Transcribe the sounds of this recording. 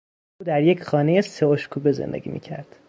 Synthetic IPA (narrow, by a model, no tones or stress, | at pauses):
ʔuːd̪æɾjecʰxɒːne̞jeseoʃkʰuːbe̞zḛnd̪ḛɡʲḭːmḭːcʰæɾd̪̥